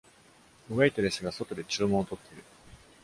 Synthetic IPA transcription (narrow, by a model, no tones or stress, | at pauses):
ɯβeit̪ed̪esɨɡaso̞t̪o̞d̪e̞t͡ɕɨːmõot̪o̞t̪ːe̞ɾɯ̟